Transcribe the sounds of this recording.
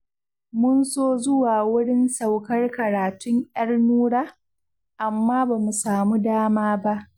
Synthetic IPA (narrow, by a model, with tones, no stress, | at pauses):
mʊ˦nsoː˦zʊ˦waː˨wʊ˦ɽɪ˦nsa˨wkɐ˦rkɐ˨ɾaː˨tʊ˦ɲj̰ɐ˦rnuː˦ɽaː˦ | ʔa˨mːaː˦baː˨mu˨saː˨mu˦daː˦maː˦ba˦ʔ